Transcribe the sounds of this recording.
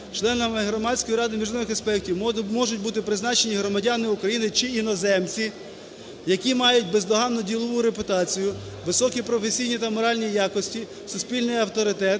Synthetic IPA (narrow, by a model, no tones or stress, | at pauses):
t͡ʃlˠɛnɐmɪɦɾɔmɑdʲsʲkɔjiɾɑd̪ɪmʲiʒnɔnɪxespɛk̚tʲiwmɔʒʊt̚ʲbut̪ɪpɾɪznɑt͡ʃenʲiɦɾɔmɐdʲanɪʊkɾɐjinɪt͡ʃɪinɔzɛmt͡sʲi | jɐkʲimɑjʊt̚ʲbezd̪ɔɦɑnːɔdʲilˠɔʋʊɾepʊt̪ɑt͡sʲijʊ | ʋɪsɔkʲipɾɔfesʲijnʲit̪ɐmɔɾɑlʲnʲijɑkɔsʲtʲi | sʊspʲilʲnɪjɐwt̪ɔɾɪt̪ɛt̪̚